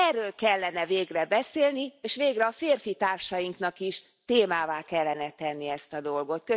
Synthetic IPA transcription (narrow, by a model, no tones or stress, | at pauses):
ɛrːøːlkɛlːɛnɛveːɡrɛbɛseːlnieːʃʋeːɡrɛɒfeːrfit̪aːrʃɒjiŋknɒkiʃ | t̪eːmaːvaːkɛlːɛnɛt̪ɛnːiɛst̪ɒd̪o̞lɡo̞t̪kø